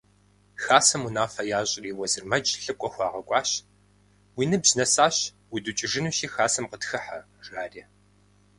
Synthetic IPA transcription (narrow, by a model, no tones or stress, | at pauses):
xaːsɐmunaːfɐjaːɕʼɪriːwɐzɨrmɐd͡ʒɬɨkʷʼɔxʷɑːʁɐkʷʼɑːɕ | wiːnɨbznɐsaːɕ | widut͡ʃʼɪʐɨnuːʃiːxaːsɐmqətxɨħɐ | ʒaːriː